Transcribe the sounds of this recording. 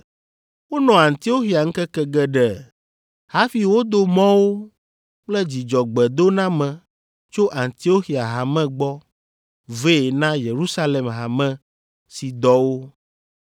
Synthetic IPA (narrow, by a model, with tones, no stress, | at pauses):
wo˦nɔ̃˨a˨nt̪i˨˦o˦xi˨a˨ŋ̩˦kɛ˦kɛ˦ɡɛ˦ɖɛ˨ | ha˦fi˨wo˦d̪o˦mɔ̃˦wo˦ | k͡plɛ˦d͡ʑi˨d͡ʒɔ˨ɡ͡bɛ˨d̪o˦nã˦mɛ̃˨ | t͡ʃo˦ʔa˨nt̪i˨˦o˦xi˨a˨ɦa˨mɛ̃˦ɡ͡bɔ˦ | ve˦˨nã˦je˨ɾu˦sa˦le˨mɦa˨mɛ̃˦ | si˨d̪ɔ˦wo˦